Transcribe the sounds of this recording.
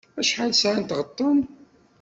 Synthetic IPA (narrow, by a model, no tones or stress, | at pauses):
æʃħad̪sʕant̪ʁət̪ˤːʊn